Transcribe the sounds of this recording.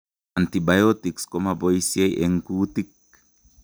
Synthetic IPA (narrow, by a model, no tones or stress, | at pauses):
antibajotikskomaboisjejʔḛŋkutik̚